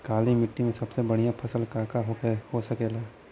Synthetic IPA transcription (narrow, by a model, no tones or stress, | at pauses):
kaːlimɪʈːimẽsɐbsebɐɽ̤ijãpʰɐsəlkaːkaɦoehosɐkeːla